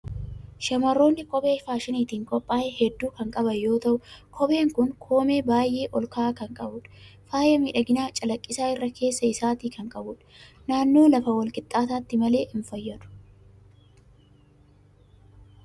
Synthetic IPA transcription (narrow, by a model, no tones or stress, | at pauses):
ʃɐmɐrːo̞ːnːɪkʼɔbe̞ːfaːʃɪniːt̪iːŋkʼɔpʼːaːʔɛhɛd̪ːuːkɐŋkʼɐbɐjo̞ːt̪ɐʔʊkʰɔbe̞ːŋkʊŋkʰo̞ːmeːbaːjʔe̞ːʔɔlkaːkɐŋkʼɐbʊᶑɐ̥faːjɐmiːᶑɐɡɪnaːt͡ʃʼɐlɐkʼːɪsaːɪrːɐkʰe̞ːsːɐɪsaːt̪iːkɐŋkʼɐbʊᶑ | naːnːoːlɐfɐwɐlkʼɪt̪ʼːaːt̪aːt̪ːɪmɐle̞ːʔɪnfɐjːɐᶑʊ̥